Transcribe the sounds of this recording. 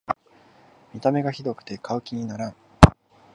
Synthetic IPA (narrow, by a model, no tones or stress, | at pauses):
mʲit̪ame̞ɡaçid̪o̞kɯ̟̥t̪e̞kʰaɯ̟kʲiɲ̟inaɾãɰ